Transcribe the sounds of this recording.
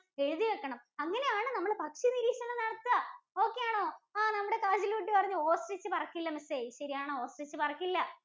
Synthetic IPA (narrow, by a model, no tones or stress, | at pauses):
e̞ɻuðiʋekːɐɳɐmɐŋːɐne̞jaːɳɨnɐmːɐɭpɐkʂiniɾiːɕɐnːɐnɐɽɐt̪ːɨo̞ːkːejaːɳoːaːnɐmːuɽe̞kaːd͡ʑilʋiʈːɨpɐrɐɲːuoːsrit͡ɕːɨpɐrɐkːilːɐmɐsejɕɐɾijaːɳoːoːsrit͡ɕːɨpɐrɐkːilːɐ